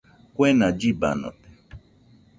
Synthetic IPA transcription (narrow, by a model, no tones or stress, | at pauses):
kʷenad͡ʒiba̰no̰t̪e̥